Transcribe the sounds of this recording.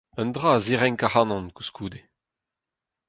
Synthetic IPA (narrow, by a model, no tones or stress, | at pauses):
œnd̪ʁaːziʁɛŋkahɑnɔ̃nku̥skʰuːd̪e